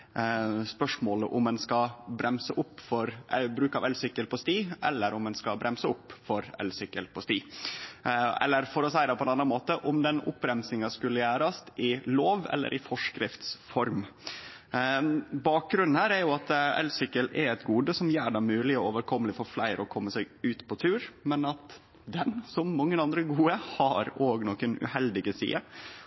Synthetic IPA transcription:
spœʂmoːləʔʊmɛnskɑbɾɛmsəʔʊpːfɔɾʔbɾʉːkɑʋɛlsʏkːəlpɔst̪iːʔɛ̰lːəɾʊmɛnskɑbɾɛmsəʊpːfɔɾɛ̰lsʏkːəlpʰɔst̪iː | ɛ̰lːəɾfɔɾɔsæɪd̪ɛpʰɔɛnɑnːɑnmoːt̪əʔʊmd̪ɛnʊ̰pɾɛmsɪŋɑskʉlːəjæːɾɑst̪ʔɪloːʋɛ̰lːə̰ɾʔɪfɔʂkɾɪft̪sfɔɾm | bɑːk̚ɡɾʉnnhæːɾæɾjʊɑt̪ɛ̰lsʏkːəlɛɾɛt̪ɡuːd̪əsɔmjøːɖæmʉːlɪɔoːʋəɾkʰɔmːəlɪfɔɾflæɪɾəɔkʰɔmːəsæɪɡʉːt̪pʰɔt̪ʰʉːɾmɛnɑt̪ | d̪ɛnsɔmːɑŋːənɑnd̪ɾəɡuːəhɑɾoːɡnɔːkənʉ̰hɛld̪ɪɡəsḭːə

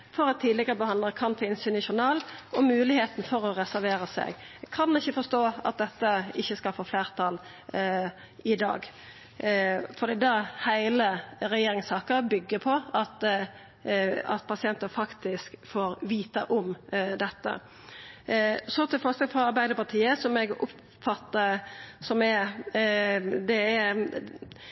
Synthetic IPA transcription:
fɔɾɛt̪t̪ʰːiːd̪lɪɡəɾəbəhɑnd̪ləkʰɑnt̪ʰɪlɪnsynɪʃʊnɑːlʔɔmʉːlɪheːt̪nfɔɾɔɾɛsæɾʋeːɾəsɛ̰ɡkʰɑnɪçːəfɔst̪oːɑ̰t̪̚d̪ɛt̪ːəɪçːəskɑlfoːfleːʁt̪ʰɑːl | ɪd̪ɑ̰ːɡ | fɔd̪iːd̪ɑhæɪləɾɛjeːɾɪŋsɑːkəɾbʏɡːəpʰɔɑt̪ | ɑ̰t̪pʰɑsɪɛnt̪əfɑkt̪ɪskfoːɾʋiːt̪əʔʊmd̪ɛt̪ːə̰ | sɔt̪ʰɪlfœɾsɑɡfɾɑɑɾbæɪd̪əɾpɑʁt̪ʰiːəsɔmɛɡʊp | fɑt̪ːəsɔmɛ | d̪ɛæ

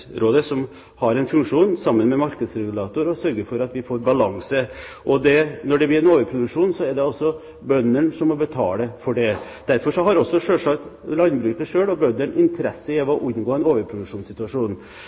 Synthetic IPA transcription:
ɾʔoːd̪əsɔm | hɑɾɛnfʉŋkʂuːnsɑmːənmɛmɑɾkəd̪sɾɛɡʉlɑːt̪ʊɾɔsœɾɡəɾfɔɾɑt̪ʋɪfoːɾbɑlɑŋsə | ʔɔd̪ɛnɔɖɛblɪːɾɛnoːʋəɾpʰɾʊd̪ʉkʂuːnsɔɛɾɖɛɔsːɔ | bœnːəɳʂɔmːɔbət̪ʰɑ̰ːləfɔɖɛ | d̪̥æɾfɔʂɔɦɑɾɔsːɔʂøːʂɑkt̪lɑnbɾʉːkəʂøːɭɔbœndəɳɪnt̪ʰəɾɛsːəɪɔʋɔʔʉnɡoːɛnoːʋəɾpʰɾʊd̪ʉkʂuːnsɪt̪ʉɑʂuːn

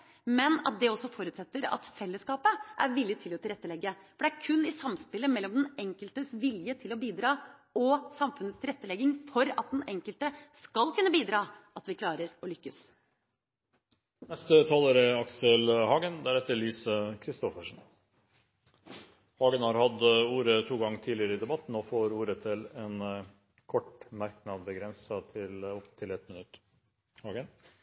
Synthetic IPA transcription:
mɛnɑ̰t̪̚d̪ɛɔsːɔfɔɾʉːt̪sɛt̪ːəɾɑ̰t̪fɛlːəskɑːpəʔæ̰ɾʋɪlːɪt̪ʰɪlɔt̪ʰɪlɾɛt̪ːəlɛɡːəfɔɖɛæɾkʰʉnːɪsɑmspɪlːəmɛlːɔmd̪ɛnɛŋkəlt̪əsʋɪljət̪ʰɪlɔbiːd̪ɾɑː | ɔsɑmfʉnəst̪ɪlɾɛt̪ːəlɛɡːɪŋfɔɾɑ̰t̪̚d̪ɛnɛŋkəlt̪əskɑlkʰʉnːəbiːd̪ɾɑːɑt̪ʋɪkʰlɑːɾəɾɔlʏkːəs | nɛst̪ət̪ʰɑːləːɾəɑksəlhɑːɡənd̪æɾɛt̪ːəɭiːsəkʰɾɪst̪ɔfəʂn̩ | hɑːɡənhɑɾhɑd̪uːɾət̪ʰuːɡɑŋːt̪ʰiːlɪəɾəɪd̪ɛbɑt̪ːn̩ɔfoːɾuːɾət̪ʰɪlɛn | kʰɔʈmæɾk̚nɑd̪bəɡɾɛnsɑt̪ʰɪlɔpt̪ʰɪlɛt̪mənʉt̪ː | hɑːɡən

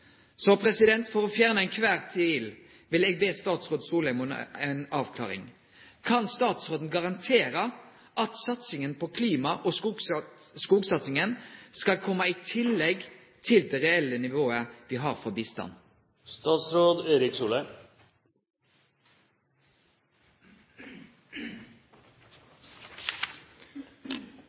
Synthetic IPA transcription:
sɔpʰʁɛsɪd̪ɛnt̪fɔʁoːfjæːʁnəɛɪnkʰʋæːʁt̪ʰiːl | ʋɪlɛːɡ̚beːst̪ɑːt̪sʁoːd̪suːləɛmʊɛnɑːʋkʰlɑ̰ːʁɪ̰ŋ | kʰɑnst̪ɑːt̪sʁoːd̪n̩ɡɑʁɑnt̪ʰeːɾə | ʔɑt̪sɑt̪sɪŋənpʰɔkʰliːmɑʔɔ | skuːɡsɑt̪sɪŋənskɑlkʰɔmːɑiːt̪ʰɪlːɛɡ | t̪ʰɪld̪ɛːʁɛɛlːənɪʋoːəʋiːɦɑːʁfɔbiːst̪ɑ̰n | st̪ɑːt̪sɾoːd̪eːɾɪksuːlə

